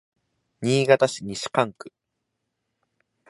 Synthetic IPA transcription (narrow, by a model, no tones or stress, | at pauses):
ɲiːɡat̪aɕiɲ̟iɕi̥kãŋkɯ̟̥